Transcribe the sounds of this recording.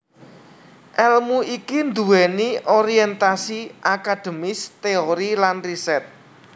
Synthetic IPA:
ʔɛlmuikind̪uwɛnioɾiɛnt̪asiʔakad̪̥ə̤mɪst̪eoɾilanrisɛt̪̚

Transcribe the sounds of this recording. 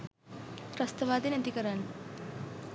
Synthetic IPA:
pɾɐst̪ɐʋaːd̪ɐnɐd̪ikɐɾan

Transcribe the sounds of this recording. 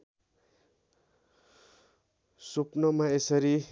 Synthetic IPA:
supnʌmaesʌɾi

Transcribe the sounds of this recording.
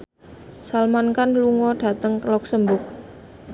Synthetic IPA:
salmankanluŋɔɖ̥a̤t̪əŋklɔksəmbʊk̚

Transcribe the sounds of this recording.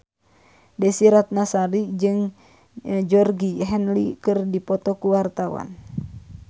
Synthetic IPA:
dɛsiɾat̪̚nasaɾid͡ʒɨŋ | d͡ʒɔrɡiɦɛnlikɨrdipɔt̪ɔkuwart̪awa̰n

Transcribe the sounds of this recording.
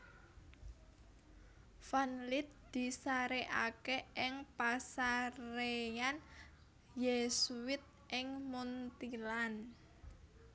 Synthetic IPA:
fanlɪt̪̚d̪̥i̤saɾeʔa̰keɪŋpasaɾejan | jesuwɪt̪̚ | ʔɪŋmunt̪ilan

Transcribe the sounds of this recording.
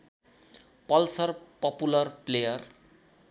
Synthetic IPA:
pʌlsʌrpʌpulʌrplejʌr

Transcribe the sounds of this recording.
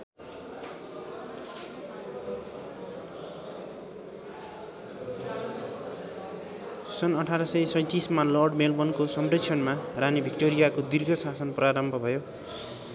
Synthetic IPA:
sʌnʌʈʰaɾʌsʌjsʌj̃t̪ismalʌrɖmelbʌnkosʌmpresʰʌnmaranibʱikʈoɾijakod̪irɡʱʌsasʌnpraɾʌmbʱʌbʱʌjo

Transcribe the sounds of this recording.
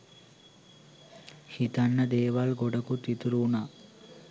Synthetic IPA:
hit̪ɐnːɐd̪eːʋɐlɡoɖɐkut̪ːit̪uɾuːna

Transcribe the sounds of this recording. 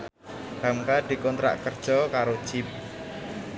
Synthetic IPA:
ɡ̥amkad̪̥i̤kɔnt̪ɾa̰ʔkərd̥ʒ̥ɔkaɾo̥ʒ̥ɪp̚

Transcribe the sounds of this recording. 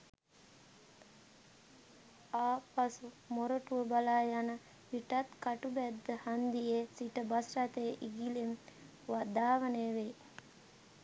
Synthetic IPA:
aːpasu | moɾəʈuəbalaːjanə | ʋiʈat̪kaʈubæd̪ːəhand̪ijesiʈəbasɾat̪eʔiɡilem | ʋad̪aːʋəneʋe

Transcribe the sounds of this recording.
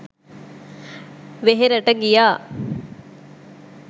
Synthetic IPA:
ʋeɦeɾəʈəɡijaː

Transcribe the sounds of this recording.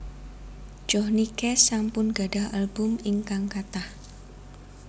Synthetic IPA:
d͡ʒ̥ɔhnikɛsampʊnɡ̥a̤ɖ̥aɦalbʊmɪŋkaŋkat̪ah

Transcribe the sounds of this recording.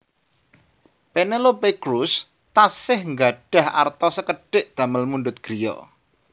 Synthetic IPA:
penelopekɾus | t̪asɪhŋɡaɖ̥a̤ha̰rt̪ɔsəkəɖ̥ɪʔd̪̥a̤məlmunɖʊt̪̚ɡ̥ɾijɔ̰

